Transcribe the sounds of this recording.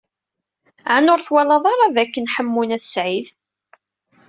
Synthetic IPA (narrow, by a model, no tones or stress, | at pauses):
ʕanʊɾθwælɑðˤɑɾˤɑðækːənħəmːunæθə̥sʕið